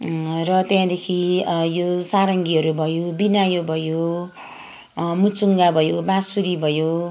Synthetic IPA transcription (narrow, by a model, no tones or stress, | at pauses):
rʌt̪jãd̪ekʰijosaɾʌŋɡiɦʌɾubʱʌjobinajobʱʌjo | mut͡suŋɡabʱʌjobãsuɾibʱʌjo